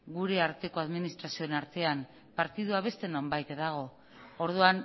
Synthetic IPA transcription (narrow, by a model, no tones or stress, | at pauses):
ɡuɾe̞aɾt̪e̞ko̞aðminist̪ɾasioenaɾt̪e̞am | paɾt̪iðuaβ̞e̞st̪e̞no̞mbajt̪ðaɣ̞o̞ | oɾðuan